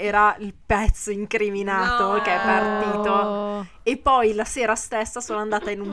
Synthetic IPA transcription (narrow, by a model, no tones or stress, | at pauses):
ɛːɾailpɛt̪sːoiŋkɾiminaːt̪okeɛpːart̪iːt̪o | epːɔjlaseːɾast̪esːasoːnoand̪aːt̪ainum